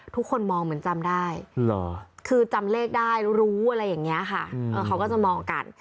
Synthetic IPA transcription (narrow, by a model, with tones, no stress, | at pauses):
t̪ʰu˦˥kʰːo˧nmɔː˧ŋmɯ˩˦ənt͡ɕa˧mdaː˥˩jlɔ˨˦kʰɯː˧t͡ɕa˧mleː˥˩k̚daː˥˩jɾu˦˥ɾuː˦˥ʔa˨˧ɾa˧jːa˨˩ŋːi˦˥ɐkʰa̰˥˩ʔɤː˨˩kʰa˦˥wkɔː˥˩t͡ɕa˨˩mɔː˧ŋka̰˨˩n